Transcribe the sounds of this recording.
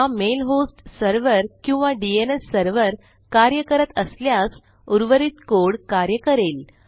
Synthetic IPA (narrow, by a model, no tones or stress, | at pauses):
amelɦosʈsəɾʋəɾkĩw̃ʋaɖienesːəɾʋəɾ | kaɾjəkəɾət̪əsljas | uɾʋəɾit̪koɽkaɾjəkəɾel